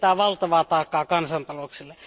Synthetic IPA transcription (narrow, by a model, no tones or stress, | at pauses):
t̪æːʋɑlt̪ɑʋɑːt̪ɑˑekːˑɑːkɑnsɑnt̪ɑlokselːe